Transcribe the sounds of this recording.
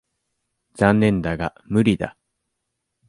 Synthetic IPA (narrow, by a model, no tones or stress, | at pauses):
zãnːẽ̞nd̪aɡa | mɯ̟ɾʲid̪a̰